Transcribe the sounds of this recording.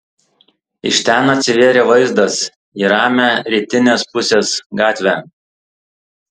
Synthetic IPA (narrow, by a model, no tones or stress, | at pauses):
ɪʃʲt̪ʲænɐt̪ʲsʲɪʋʲeːɾʲeːʋɐɪzd̪ɐs | iːɾɑːmʲæɾʲiːt̪ʲɪnʲeːspʊsʲeːsɡɑːt̪ʲʋʲæːˑ